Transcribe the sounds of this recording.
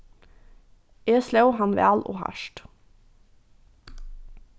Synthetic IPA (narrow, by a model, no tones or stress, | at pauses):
eːslɛʊhɑnʋæ̰ːlʔo̰ːhɑ̰ʃʈ